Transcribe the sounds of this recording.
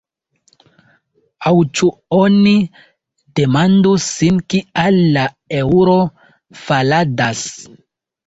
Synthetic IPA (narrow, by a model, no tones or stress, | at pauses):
awt͡ʃuoni | demandusinkialːa | euɾo | faladas